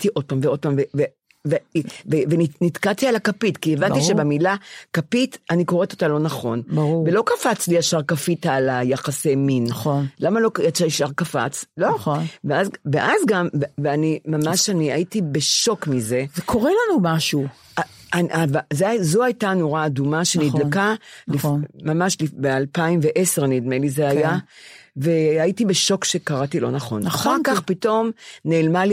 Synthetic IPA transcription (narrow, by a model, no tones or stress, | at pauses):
tiʔo̞d̚pamveo̞d̚pamveve | vevevenitkatialakapitkievant̪iʃe̞bemilakapitaniko̞ʁeto̞t̪alo̞naχo̞nbʁuve̞lo̞kafat͡sliaʃaʁkafitalajaχaseminonlamalo̞asaʃaʁkafa̰t͡slo̞nveazveʔazɡamveveanimamaʃaniaitibe̞ʃo̞kmize̞zekʰoʁelanumaʃu | anavazezoajtano̞ʁaːdumaʃenidlakalifmamaʃlibealpaimveʔe̞seʁanidmelizeajaveaitibe̞ʃo̞kʃe̞kaʁatilo̞̰naχo̰naaχaʁkaχpito̞mneːlmali